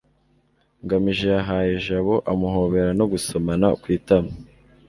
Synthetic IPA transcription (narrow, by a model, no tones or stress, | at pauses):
ŋɡamiʒe̞aɦaːjeʒaβo̞ʔamuɦo̞βe̞ɾano̞ɡuso̞manakwiːtama